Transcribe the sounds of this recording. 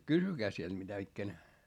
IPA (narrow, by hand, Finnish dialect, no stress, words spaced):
kysykæː siel mitæ ikːænæ